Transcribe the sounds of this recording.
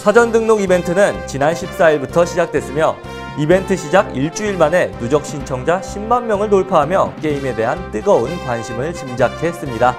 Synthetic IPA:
sʰad͡ʑʌndɯŋnoɡibe̞ntʰɯnɯnt͡ɕinanɕʰip̚s͈aiɭbutʰʌɕʰid͡ʑak̚t͈we̞s͈ɯmjʌ | ibe̞ntʰɯɕʰid͡ʑaɡ̚iɭt͡ɕ͈uiɭmane̞nud͡ʑʌk̚ɕ͈ʰint͡ɕʰʌŋd͡ʑaɕʰimmanmjʌŋɯɭnoɭpʰaɦamjʌk͈e̞ime̞de̞ɦant͈ɯɡʌunkwanɕʰimɯɭt͡ɕimd͡ʑakʰe̞s͈ɯmɲida

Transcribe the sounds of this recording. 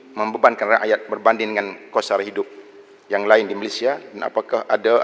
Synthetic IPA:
məmbəbankanraʔajat̪̚bərbandɪŋndəŋankosarɦidʊp̚ | jaŋlaɪndimalesiadana̰pakahada

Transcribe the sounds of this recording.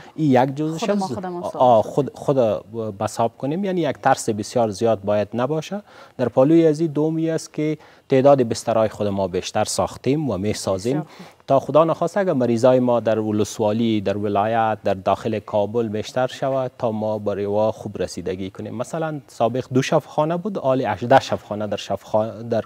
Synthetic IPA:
ijaɡd͡ʒozɪʃaz | xʊd̪abasɑb̚kʊnemjanijakt̪ʰaɾsɪbɪsjɑɾzijɑt̪̚bɑjad̪nabɔʃad̪̥aɾpɔlujiazid̪ʊwʊmiaskɪ | t̪ed̪ɒːd̪ɪbɪst̪aɾɑjɪxʊd̪amɔbeʃt̪aɾsɑ̰xt̪emwamesɑzemt̪ɑxʊd̪ɑnaxɔst̪aaɡamaɾizɔjɪmɔd̪aɾwʊlʊswɑlid̪aɾwɪlɑjat̪̚d̪aɾd̪ɔxɪlɪkʰɔbʊlbeʃt̪aɾʃawat̪ʰɑmɔbaɾewɔxubɾasid̪aɡikʊnḛmːasalansɑbɪqd̪uʃafxɑnabud̪ɑlɪaʃd̪aʃafxɑnad̪aɾʃafd̪aɾ

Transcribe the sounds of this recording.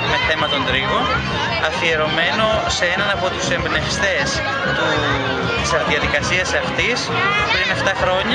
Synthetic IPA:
me̞θe̞mɐt̪o̞nd̪ɾiɣon | ɐfie̞ɾo̞me̞no̞seenɐnɐpo̞t̪use̞mbnest̪e̞s | t̪u | t̪isɐɾðiɐðikɐsiɐsɐft̪is | pɾine̞ft̪ɐxɾo̞ɲɐ

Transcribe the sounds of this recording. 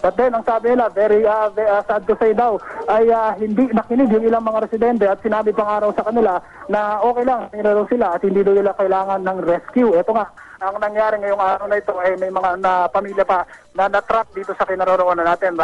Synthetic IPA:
bɐt̪̚d̪ɛnɐŋsaːbɪnɪlavɛɾiʔavɛasad̪t̪osɐjd̪awʔɐjaɦɪnd̪inɐkɪnɪɡjʊŋɪlaŋmɐŋaɾɛsɪd̪ɛnt̪ɛɐt̪̚sɪnaːbɪpɐŋaːɾɐwsɐkɐnɪla | nɐʔo̞ːkɛjlɐŋsɐp̪ɪɾɐd̪ɐwsɪlaʔɐt̪hɪnd̪iːd̪ɐwnɪlakɐɪlaːŋɐnːɐŋɾɛskjuʔɛt̪o̞ŋaʔ | ɐŋnɐŋjaːɾɪŋɐjoŋʔaːɾɐwnɐɪt̪o̞ʔɐjmɐjmɐŋanɐpɐmiːljɐpɐ | nɐnɐt̪ɾap̚d̪iːt̪o̞sɐkɪnɐɾoɾoʔoːnɐnaːt̪ɪn

